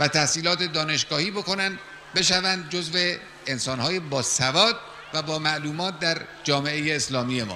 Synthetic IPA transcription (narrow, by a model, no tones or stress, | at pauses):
væt̪ʰæhsiːlɒːt̪ʰe̞d̪ɒːne̞ʃɡ̥ɒːhiːbo̞ko̞nænd̪ | be̞ʃævænd̪̚d͡ʒozve | ensɒːnhɒːjebɒːsævɒːd̪̚ | væbɒːmæʔluːmɒːt̪̚d̪æɾ | d͡ʒɒːme̞ʔejeːslɒːmiːje̞mɒ̰ː